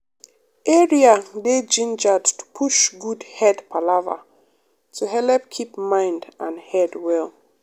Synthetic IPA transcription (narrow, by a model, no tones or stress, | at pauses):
ʔɛɹiaded͡ʒĩnd͡ʒadtʰu̥pʰuʃɡudhɛdpʰalava̰ | tʰuɦɛlɛp̚kʰipmãɪ̃ndʔãnhɛdwɛl